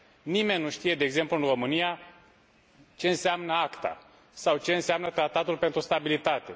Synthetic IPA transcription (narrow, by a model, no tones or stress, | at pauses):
nime̞nʲːuʃt̪ije̞d̪eːɡze̞mpluɨnro̞mɨnija | t͡ʃe̞ɨnseamnəakt̪a̰ | sawt͡ʃe̞ɨnseamnət̪ɾat̪at̪ulpe̞nt̪ɾust̪abilit̪at̪e̞